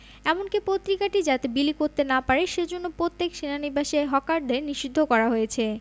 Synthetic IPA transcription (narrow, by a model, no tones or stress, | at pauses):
ɛmonkipot̪ːɾikaʈid͡ʑat̪ebilikoɾt̪enapaɾeʃed͡ʑonːopɾot̪ːekʃenanibaʃeɦɔkaɾd̪eɾniʃid̪ʱːokɔɾaɦojet͡ɕʰe